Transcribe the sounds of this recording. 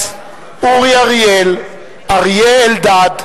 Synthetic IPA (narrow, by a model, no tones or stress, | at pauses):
uʁiaʁjel | aʁjeeld̪ad̪